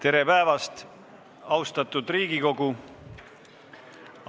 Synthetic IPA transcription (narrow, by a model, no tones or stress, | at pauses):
t̪e̞ɾe̞pæevɑst̪ | ɑwst̪ɑt̪ˑud̪riːɡ̥iko̞ɡu